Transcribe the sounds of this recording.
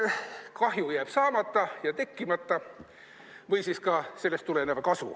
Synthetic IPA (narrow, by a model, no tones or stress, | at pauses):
kɑɦjujæːb̥sɑːmɑt̪ːˑɑjɑt̪e̞kːimɑt̪ːˑɑ | vɤjsiskɑse̞lːest̪ːule̞nevɑkɑsṵ